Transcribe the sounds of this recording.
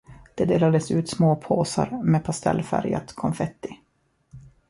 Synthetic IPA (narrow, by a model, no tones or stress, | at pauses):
d̪̥ɛd̪eːlad̪əsʉ̟ːt̪smoːpʰoːsa̰ɾmeːpʰast̪ɛ̰lːfæɾjə̰t̪kʰɔmfɛt̪ːɪ